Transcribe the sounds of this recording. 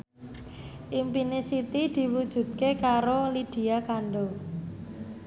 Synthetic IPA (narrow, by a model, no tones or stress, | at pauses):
ʔimpinɪsit̪id̪̥i̤wud̥ʒ̥ṳd̪̚kekaɾolid̪̥i̤akanɖɔ